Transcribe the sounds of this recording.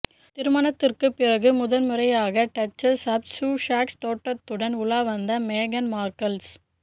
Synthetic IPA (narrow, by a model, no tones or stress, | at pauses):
t̪ɪɾɯmɐɳɐt̪ːɪrkɯpːɪrɐɣɯmʊðɐnmɯrɐjaːɣɐʈɐt͡ʃːɐsɐb̚suːʂaːkst̪oːʈːɐt̪ːɯɽɐnʊlaːʋɐnd̪ɐmeːɣɐnmaːɾkɐls